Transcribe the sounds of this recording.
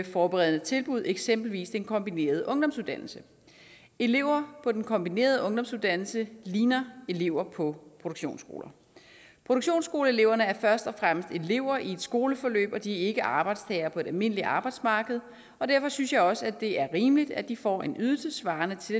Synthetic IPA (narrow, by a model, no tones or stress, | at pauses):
efɒːb̥eʁɛð̞̰ˠn̩ət͡sʰe̝lb̥uð̞ˠeɡ̥sem̰b̥l̩ʋḭːsd̥enkʰɒ̽mb̥ine̝̰ːɐð̞ˠəʔɔ̽ŋd̥ɒ̽msuðˠd̥æn̰l̩sə | e̝le̝ʊ̰ɐpʰɒ̽d̥enkʰɒ̽mb̥ine̝̰ːɐð̞ˠəɔ̽ŋd̥ɒ̽msuðˠd̥æn̰l̩səliːnɐe̝le̝ʊ̰ɐpʰɒ̽pʰʁo̝d̥oɡ̥ɕo̝̰ːnsɡ̥o̝̰ːlɐ | pʰʁo̝ɾ̥oɡ̥ɕo̝̰ːnsɡ̥o̝ːləe̝le̝ʊ̰ɐnəæɐfɶɐsd̥ɒ̽fʁam̰əsd̥e̝le̝ʊ̰ɐʔie̝d̥sɡ̥o̝ːləfɒ̽lø̰ːb̥ɒ̽d̥iæɐe̝ɡ̥əʔɑ̈ːb̥ɑ̈ɪd̥st͡sʰɛːɐpʰɒ̽e̝d̥ælme̝n̰əliʔɑ̈ːb̥ɑ̈ɪd̥smɑ̈ːɡ̥əð̞̩ˠ | ɒ̽d̥æɐfɒ̽synsjɑ̈ɪɒ̽səæd̥e̝ʔæɐʁiːmlid̥æd̥ifɒ̰e̝nyðˠsəsʋɑ̈ːnət͡sʰe̝